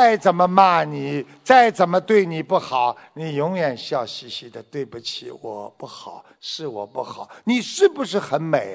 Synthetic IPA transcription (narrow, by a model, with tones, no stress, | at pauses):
a˥˩ɪt͡sə˨˩nmə˦ma˥˩ni˨˩˦ | t͡sa˥˩ɪt͡sə˨˩nmə˦t̪we˥˩ɪni˨˩pu˥˩xɑ˨˩˦ʊ | ni˨˩jʊ˧˥ŋjɥɛ˨˩nɕjɑ˥˩ʊɕi˥ɕi˥d̪ə˨t̪we˥˩ɪpu˧˩t͡ɕʰḭ˧˥˦wɔ̰˨˩˦pu˥˩xɑ˨˩˦ʊ | ʂɻ̩˥˩wɔ̰˨˩pu˥˩xɑ˨˦ʊni˨˩ʂɻ̩˥˩bu˧ʂɻ̩˥˩xə˧˥nme˨˩ɪ